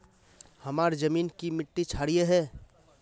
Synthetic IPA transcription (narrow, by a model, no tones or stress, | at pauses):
hɐmaːɾzɐmiːnkimɪʈːit͡ʃʰaːɽijeɦɛː